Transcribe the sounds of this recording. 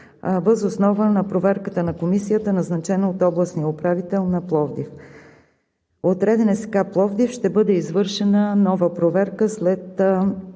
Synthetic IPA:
vəzosnɔvənɐpɾovɛɾkət̪ənɐkomisijət̪ənɐznɐt͡ʃɛnoot̪ɔblˠəsnijəopɾavit̪ɛlˠnɐplˠɔvd̪if | ot̪ɾɛd̪ɛnɛsɛ̥ɡaplˠɔvd̪ifʃt̪ɛbɤd̪ɛizvɤɾʃɛnənɔvəpɾovɛɾkəslɛt̪

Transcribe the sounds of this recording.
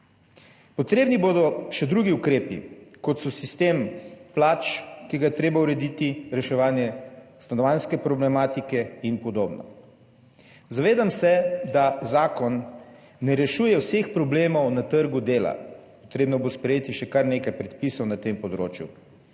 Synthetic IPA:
pɔt̪ɾeːbniboːd̪ɔʃɛd̪ɾuɡiukɾeːpḭkɔt̪sɔsist̪emplaːt͡ʃkiɡajɛt̪ɾeːbauɾɛd̪it̪iɾɛʃɛʋaːnjɛst̪anɔʋanskɛpɾɔblɛmaːt̪ikɛinpɔd̪oːbnɔ̰ | zaʋeːd̪amsɛd̪azaːkɔnː | ɛɾɛʃuːjɛwsexpɾɔbleːmɔwnat̪əɾɡud̪eːla̰pɔt̪ɾeːbnɔbospɾɛjeːt̪iʃɛkaɾneːkajpɾɛt̪̚pisɔwnat̪empɔd̪ɾo̰ːt͡ʃjṵ

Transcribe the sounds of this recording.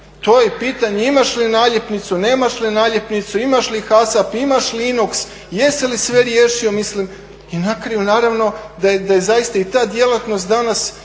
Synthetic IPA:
t̪o̞je̞piːt̪aɲeimaʃlinaːʎepnit̪sune̞ːmaʃlinaːʎepnit̪suimaʃlixasapimaʃliinuks | jest̪elisʋe̞ɾjeːʃio̞mislim | inakɾajunaːɾaʋno̞d̪ajed̪ajezajist̪ait̪aːd̪jelˠat̪no̞st̪d̪anas

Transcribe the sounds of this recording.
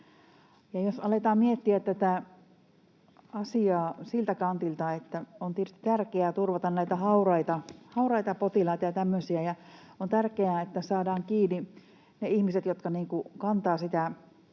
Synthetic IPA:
jɑjosɑlet̪ɑːmmiet̪ːiæt̪t̪æt̪æ | ɑsiɑːsilt̪ækɑnt̪ilt̪ɑet̪ːæont̪irt̪ĭt̪ærkeæːt̪urʋɑt̪ɑnnæˑit̪æhɑurɑit̪ɑhɑurɑit̪ɑpot̪ilɑit̪ɑjɑt̪æmːøsiæjɑ | ont̪ærkeæet̪ːæsɑːdɑːŋkiːni | neihmiset̪jot̪kɑniːŋkukɑnt̪ɑːsit̪æ

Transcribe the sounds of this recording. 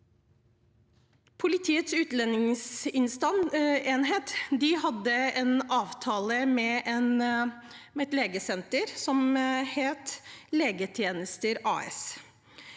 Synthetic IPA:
pʰʊlɪt̪ʰiːət̪sʉːt̪lɛnːɪŋsɪnst̪ɑneːnɦeːt̪d̪ɪhɑd̪ːəeːnɑːʋt̪ʰɑːləmɛʔen | ɛt̪leːɡəsɛnt̪əɾsɔmheːt̪leːɡət̪ʰjeːnəst̪əɾɑ̰ːɛ̰s

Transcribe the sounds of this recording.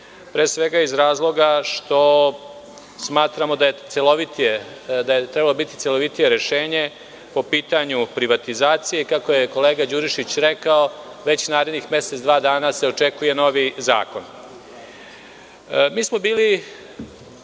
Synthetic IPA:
pɾeːsʋe̞ɡaizɾaːzlˠo̞ɡaʃt̪o̞ | smaːt̪ɾamo̞d̪ajet̪seloʋit̪ie | d̪ajet̪ɾɛbalo̞bit̪i̥t̪selo̞ʋit̪ije̞ɾe̞ʃe̞ːɲe̞ | po̞piːt̪aɲupɾiʋat̪izaːt̪sije̞kako̞je̞ko̞leːɡad͡ʑuɾiʃit͡ɕɾe̞kao | ʋe̞t͡ɕnaːɾe̞d̪nixmje̞set̪sd̪ʋaːd̪aːnase̞o̞t͡ʂekuje̞no̞ʋiza̰ːko̞n | miːsmo̞biːli

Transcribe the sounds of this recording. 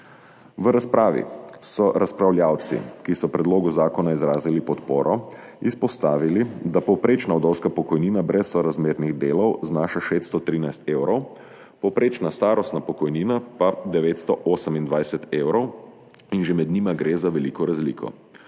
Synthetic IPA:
ʋəɾaspɾaːʋḭsɔɾaspɾawljaːwt̪sḭkisɔpɾɛd̪loːɡuzaːkɔnaizɾaːzilipɔt̪poːɾʔɔ | ispɔst̪aːʋilid̪apɔwpɾeːt͡ʃnaɔd̪ɔwskapɔkɔjniːnabɾʔɛsːɔɾazmeːɾniɣd̪eːlɔwznaːʃaʃeːst̪st̪ɔt̪ɾiːnajst̪eːwɾɔw | pɔwpɾeːt͡ʃnast̪aːɾɔst̪napɔkɔjniːnapad̪ɛʋeːt̪st̪ɔʔoːsəmind̪ʋajsɛt̪eːwɾɔw | inʒemɛd̪niːmaɡɾeːzaʋɛlikɔɾazlḭkʰɔ̰

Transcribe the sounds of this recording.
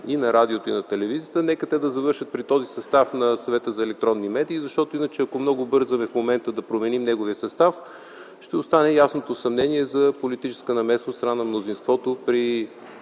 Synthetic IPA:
inɐɾad̪iot̪oinɐt̪ɛlɛvizijət̪ənɛkət̪ɛd̪ɐzɐvɤɾʃət̪̚pɾit̪ɔzisɐst̪afnɐsɐvɛt̪əzɐɛlɛk̚t̪ɾɔnːimɛd̪iːzɐʃt̪ɔt̪oinət͡ʃɛɐkomnɔɡʊbɤɾzɐmɛfmomɛnt̪əd̪ɐpɾomɛnimnɛɡoviəsɐst̪af | ʃt̪ɛost̪anɛjasnot̪osɐmnɛniɛzɐpolit̪it͡ʃɛ̥skənɐmɛsnoɾnanɐmnozinst̪vɔt̪opɾi

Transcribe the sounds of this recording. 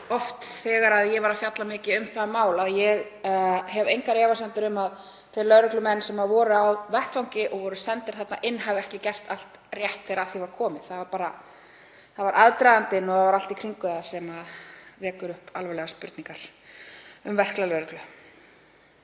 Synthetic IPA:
ɔft̪θɛːɣaɾaðjɛvaɾafjat̪lamɪːcɪʏmθamaːwlaðjɛɣɦɛvejŋkaɾjɛːvasɛnt̪ʏɾʏmað | θejlœðɾʏklʏmɛnːsɛmaðvɔːɾʏawvɛhk̪fawŋcɪʔɔɣvɔɾʏsɛnt̪ɪɾ̥θat̪naʔɪnːɦavɛhcɪcɛr̥t̪al̥t̪ | rjɛht̪θɛjɾaθivaɾkʰɔːmɪðθaðvaɾpaːɾa | θaðvaɾʔaðt̪ɾajðant̪ɪnːɔavaɾal̥t̪ikʰɾiŋkʏðsɛmaðvɛːkʏɾʏhpalvɛlɛɣaspʏ̰ɾt̪niŋkaɾ̥ | ʏmvɛr̥klalœːɾʏklʏ

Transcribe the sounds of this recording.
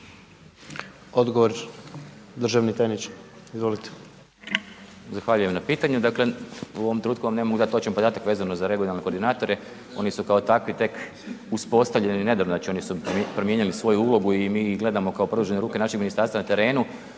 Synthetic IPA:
od̪ɡoʋoɾ | d̪r̩ʒaʋnit̪enit͡ʃizʋo̞lit̪e̥ | zaxʋaʎujemnapiːt̪aɲud̪akleuo̞ʋomt̪ɾenuːt̪kuʋamnemoɡd̪at̪ːot͡ʃenpo̞d̪aːt̪akʋeːzano̞zaɾe̞ɡunalne̞koɾd̪inaːt̪o̞ɾe | o̞nisukao̞t̪akʋit̪e̞k | uspo̞st̪aʋʎenine̞d̪aɾunat͡ʃio̞nisupɾomjeɲilisʋo̞juulˠo̞ɡuimiːɡle̞d̪amo̞kaopɾod̪ud͡ʒeneɾuːke̞naʃeɡminist̪aɾst̪ʋanat̪e̞ɾe̞ːnu

